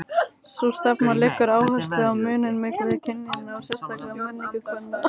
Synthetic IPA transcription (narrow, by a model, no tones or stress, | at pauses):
sust̪apnalɪkːʏɾaːwhœ̥st̪ɪawmʏːnɪnmɪːkɾvɪðcʰɪnːinawsɛst̪apɛɣmɛnːiŋkʏkʰvɛnːa